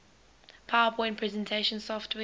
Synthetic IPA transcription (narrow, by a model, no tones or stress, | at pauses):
pʰawəpʰɔ̃ɪ̃npʰɹ̥ɛzɛ̃ntʰeɪʃə̃nsɔftʰwɛ